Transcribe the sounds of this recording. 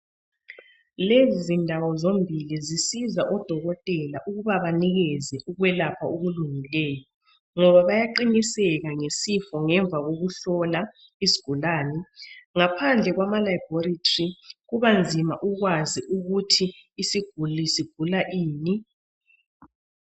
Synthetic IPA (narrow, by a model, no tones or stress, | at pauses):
lezindʱawɔzombʱilizisizaʔɔd̥ʱɔɣɔtʼɛlaʔuɣuβaβaniɣɛzɛʔuɣwɛlapʰauɣuluŋilɛːjɔ | ŋɔβaβajaǃinisɛɣaŋesifɔŋɛɱb̪vʱaɣoɣuɬɔla | izi̥ɡ̥ʱulaːnɛŋapʰand͡ɮʱɛɣwamalaib̥ʱoritʰʼriɣuβand͡zʱima̰ʔuɣwaziʔuɣutʰiːsiɡ̥ʱulisiɡ̥ʱulaʔiːni